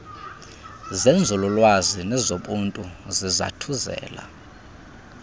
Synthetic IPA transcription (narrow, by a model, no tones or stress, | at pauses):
zend͡zʱululwazinɛzoɓuntʼuziza̰tʰuzɛ̰ːla̰